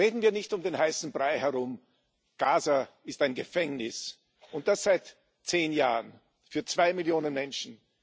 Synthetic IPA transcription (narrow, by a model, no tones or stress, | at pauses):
ʁeːdn̩viːɐnɪçtʊmdeːnhaɪsn̩bʁaɪhɛɐʁʊm | ɡ̥aːza | ɪstaɪnɡəfɛŋnɪs | ʊnt̚d̥asz̥aɪt | t͡seːnjaːʁən | fyːɐt͡sv̥aɪmɪljoːnənmɛnʃn̩